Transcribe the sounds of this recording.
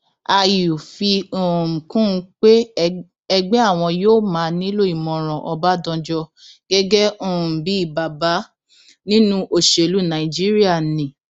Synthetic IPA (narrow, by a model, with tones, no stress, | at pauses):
a˧ju˨fi˧u˨kũ˦˧˦k͡pe˦ | ɛ˧ɡ͡bɛ˦a˦˨w̃ɔ̃˧joː˦mãː˨˧nĩ˦lo˦˨i˨mɔ̃˨ɾ̃ɔ̃˨ʔɔ˧ba˦dɔ̃˧d͡ʒɔ˧ɡ̥ɛ˦ɡɛ˦õ˨bi˨˦i˦˨ba˨ba˨˦ | nĩ˦nũ˦ʔo˦˨ʃe˨lu˨˦nã˨i˨d͡ʒi˦ɾi˦a˦˨nĩ˨